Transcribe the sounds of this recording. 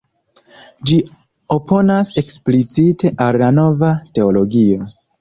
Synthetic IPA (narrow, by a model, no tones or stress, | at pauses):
d͡ʒi | o̞pʰo̞nase̞ksplit͡site̞ʔalːano̞vate̞o̞lo̞ɡio̞